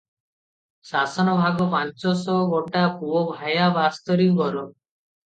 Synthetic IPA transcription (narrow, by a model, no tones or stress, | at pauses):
sasɔnɔbʱaɡɔpant͡ʃɔsɔɡɔʈakuɔbʱajabast̪ɔɾiuɡɔɾɔ